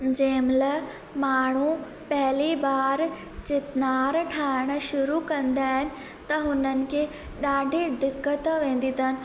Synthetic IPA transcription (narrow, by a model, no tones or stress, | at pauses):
d͡ʑeːmlə | maːɳ̤u | pɐɦɪlibaːɾ | t͡ɕɪt̪naːɾʈʰaːɪɽ̃ə̆ʃʊɾukɐ̃nd̪aːɦɪnɪ̆ | t̪ɐɦʊnənɪ̆kʰeː | ɗaːɖʱid̪ɪkːət̪ʋẽːn̆d̪it̪ʰənɪ̆